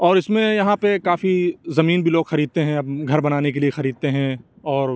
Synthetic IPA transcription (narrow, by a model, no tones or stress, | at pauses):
ɔːɾɪsmẽjɐɦãpekaːfizɐmiːnbʱiloːɡxɐɾiːd̪̚t̪eɦɛ̃ɐɡʱɐɾbɐnaːnekeliexɐɾiːd̪̚t̪eɦɛ̃ | ɔːɾ